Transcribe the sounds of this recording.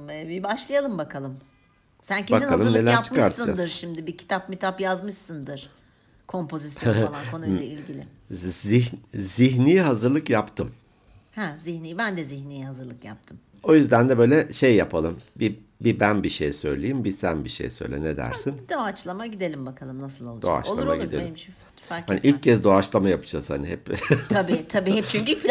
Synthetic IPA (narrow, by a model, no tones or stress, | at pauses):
ɛbibaʃlˠajalˠɯmbakʰalˠɯm | sæncʰebak̪inalˠɯmnelʲæɾapt͡ʃʰɯkaʃɾt̪ʰɯɯnd͡ʒad̪ɯɾʃimd̪ibicʰi̥t̪ʰapmit̪ʰapjazmɯʃsɯnd̪ɯɾ̥ | kʰo̞mpʰo̞zisjolˠankʰo̞nulʲˠailʲɟilʲɪ | iziɦnijɦazɯɾlˠɯkjapt̪ʰɯm | hæziçnijibænd̪ɛziçnijiɦazɯɾlˠɯkjap̚t̪ʰɯm | o̞jyzd̪ænd̪ɛbøjlʲɛʃejːapʰalˠɯmbi | bibænbiʃejsø̞̰jlʲejimbisænbiʃḛjsø̰jlʲḛned̪æ̰ɾsind̪̥oat͡ʃlˠamaɟid̪elʲimbakʰalˠɯmnasɯlˠolˠd̪o̰a̰t͡ʃlˠa̰ma̰ɟid̪elʲ | haniʔilʲccʰːɛzd̪o̞at͡ʃlˠamajapɯ̥t͡ʃʰasha̰niɦɛpt̪ʰabiːt̪ʰabiːhɛpt͡ʃʰyɲci